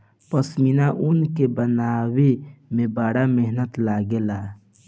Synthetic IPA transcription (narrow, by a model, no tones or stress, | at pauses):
pəsminaʔʊnkebənaːwemẽbaːɽameɦnət̪laːɡelaː